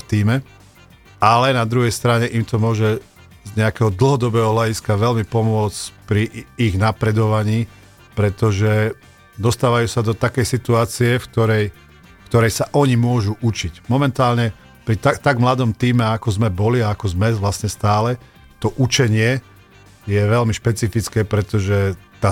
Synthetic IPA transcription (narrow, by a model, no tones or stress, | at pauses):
ft̪iːmɛ | alɛnad̪ɾuɦɛjst̪ɾaɲɛʔimt̪ɔmʊɔʒɛ | zɲɛakɛɦɔd̪l̩ˠɦɔd̪ɔbɛːɦɔɦlaɟiskaʋɛlmipɔmʊɔt͡spɾiːɣnapɾɛd̪ɔʋaɲiː | pɾɛt̪ɔʒɛ | d̪ɔst̪aːʋajuːsad̪ɔt̪akɛjsit̪uaːt͡siɛfk̚t̪ɔɾɛj | kt̪ɔɾɛjsaʔɔɲimʊɔʒuʔut͡ʃicmɔmɛnt̪aːlɲɛ | pɾit̪at̪aɡmlad̪ɔmt̪iːmɛakɔzmɛbɔliaːkɔzmɛʋlasɲɛst̪aːlɛ | t̪ɔʔut͡ʃɛɲɪɛ | jɛʋɛlmiʃpɛt͡sifit͡skɛːpɾɛt̪ɔʒɛt̪aː